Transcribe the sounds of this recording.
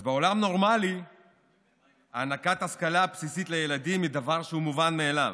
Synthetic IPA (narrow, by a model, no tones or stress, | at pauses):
azbeo̞lamno̞ʁmali | aːnakat̪haskalapsisit̪lejelad̪imid̪avaʁʃeumuvanmeːlam